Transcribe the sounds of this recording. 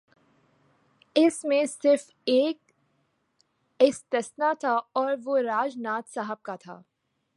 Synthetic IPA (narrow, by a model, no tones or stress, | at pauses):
ɪsmẽsɪɾf | eːk̚ | ɪst̪əsnat̪ʰaɔːɾʋoɾaːd͡ʒnaːt̪saɦəb̚kat̪ʰa̰ː